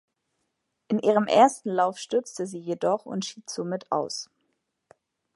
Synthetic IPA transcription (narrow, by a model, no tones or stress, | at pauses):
ʔɪnʔiːʁəmʔḛːɐstn̩laʊfʃtʏɐt͡stəziːjedɔχʊ̰ntʃiːtz̥omɪtʰa̰ʊs